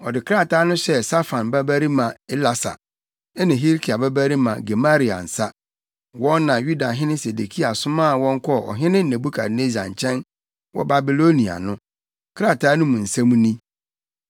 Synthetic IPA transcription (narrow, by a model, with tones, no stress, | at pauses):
ɔ˨dɪ˨kʰɾa˦˨tʰaː˦nʊ̃˦ɕɛ˦sa˦fã˨nbæ˦bæ˦ɾi˦mã˨ɛ˦la˨sa̰˨ | ɛ˦nɪ̃˨ɦi˦ɾkʰi˨a˨bæ˦bæ˦ɾi˦mã̰˨ɡe˨ma˦ɾi˨a̰˨n̩˨sa˦ | wɔ̃˦nː˦ã˨ju˦da˨ɦɪ̃˦nɪ̃˦se˨de˨kʰi˦a˨sʊ˦mã˦˨wɔ̃˦ŋ˦kʰɔ˦˨ɔ̰˨ɦɪ̃˦nɪ̃˦n̩˦˨nɛ̃˨bu˦kʰa̰˨ne˦zã̰˨ɲ̩˨t͡ɕʰɛ̃˦n | wɔ̰˦ba˨bi˨lo˦nĩ˨a̰˨nʊ̃˦ | kʰɾa˦˨tʰaː˦nʊ̃˦mũ˨n̩˨sã˦mũ˦nĩ˦